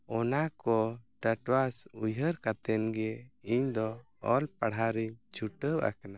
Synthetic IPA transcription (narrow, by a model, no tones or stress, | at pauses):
ɔnakɔʈaʈwasujəɾkat̪ɛnɡɛiɲd̪ɔ | ɔlpaɽɦaɾiɲt͡ʃʰuʈəba̰kana